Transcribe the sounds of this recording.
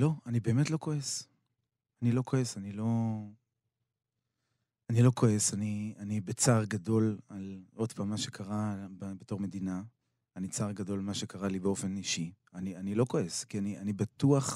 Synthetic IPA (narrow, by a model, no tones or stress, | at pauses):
lo̞anibe̞ːme̞tloko̞es | anilo̞kʰo̞esanilo̞ | anilo̞ko̞e̞sanianibet͡saʁɡado̞lalo̞dpamːaʃe̞kʰaʁabbeto̞ʁmed̪ina | anit͡saʁɡado̞lmaʃe̞kaʁalibeo̞fe̞niʃi | anianilo̞koeskianianibatuaχ